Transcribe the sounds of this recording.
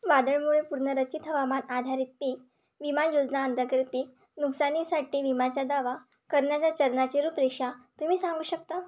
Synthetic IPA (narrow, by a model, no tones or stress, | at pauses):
ʋad̪əɭmuɭepuɾɳəɾət͡ɕit̪ɦəʋəmanad̪ʱaɾiːt̪̚piːk | ʋimanjod͡ʑnaənd̪əkɾt̪iːk | nuksanisaʈiːʋimat͡ɕjad̪aʋa | kəɾɳjat͡ɕjat͡ɕəɾnat͡ɕeɾupɾeɕat̪um̤iːsãŋɡuːɕək̚t̪a